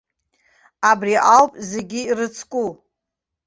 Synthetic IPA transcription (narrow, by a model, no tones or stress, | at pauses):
abriʔawpʼze̞ɡʲiirɨt͡sʰkʷʼu